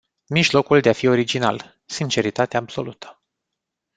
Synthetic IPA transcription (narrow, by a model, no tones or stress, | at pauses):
miʒlo̞kuld̪eafio̞ɾid͡ʒina̰l | sint͡ʃe̞ɾit̪at̪eaːbso̞̰lut̪ʰə̥